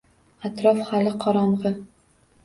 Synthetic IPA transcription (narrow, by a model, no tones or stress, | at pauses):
at̪ɾɒfhalɪqʰɒɾɒmʁɨ